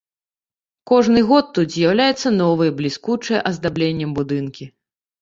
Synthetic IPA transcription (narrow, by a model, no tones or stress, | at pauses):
kɔʐnɨɣɔt̪ːut̪zʲjawlʲajɛt̪sːɐnɔvɨjɛblʲiskut͡ʂɨjɛʔɐzd̪ablʲenʲːɐmbud̪ɨnkʲi